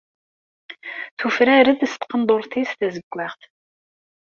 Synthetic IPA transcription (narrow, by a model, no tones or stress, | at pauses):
tʰuːfɨɾɐɾɨdɨst̪qənd̪ort̪ʰeːsd̪ʰɐzɨb̚ɡʷʼɐːχt̪ʰ